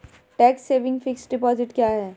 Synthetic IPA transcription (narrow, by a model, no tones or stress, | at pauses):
ʈɛːksːeːʋɪ̃ŋɡfɪksɖɪpɔːzɪʈkjaːɦɛː